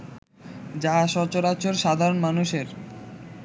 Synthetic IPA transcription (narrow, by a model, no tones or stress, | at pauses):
d͡ʑaʃɔt͡ɕoɾat͡ɕoɾʃad̪ʱaɾonmanuʃeɾ